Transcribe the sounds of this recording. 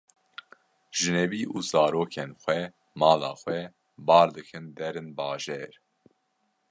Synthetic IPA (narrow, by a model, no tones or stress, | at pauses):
ʒ̥ɨnɛviːʔuzɑːɾoːkʰenxʷɛ | mɑːlɑ̰ːxʷwɛ | bɑːɾd̪ɨkʰɨnd̪ɛɾɨnbɑːʒɛːɾ